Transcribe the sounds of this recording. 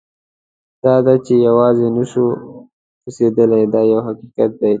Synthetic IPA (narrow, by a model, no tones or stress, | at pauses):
d̪̥ɑːd̪at͡ʃejawɑːzenəʃu | pused̪əlajd̪ɑjawɦaqiqat̪̚d̪aj